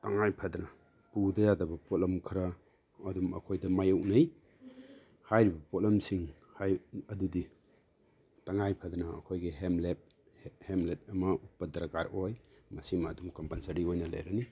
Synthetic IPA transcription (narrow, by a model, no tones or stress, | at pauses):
taŋajpʰadnɐ | pudɐjadɐbɐpotlɐmkʰɐɾɐː | dumɐ̰kʰojdɐmajɐwnɐj | hajɾibɐpotlɐmsiŋ | hajɐdudi | taŋajpʰɐdnɐ̰ːkʰojɡeɦemlet̚ | hemlet̚ɐmɐupːɐdɐɾakaɾojmɐsimɐːdumkɐmpɐnsɐɾiojnɐla̰jɾani